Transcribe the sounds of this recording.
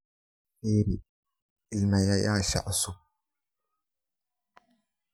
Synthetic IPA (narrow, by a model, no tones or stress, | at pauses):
eɾi | ɪlmajajaːʃa̰ʔsu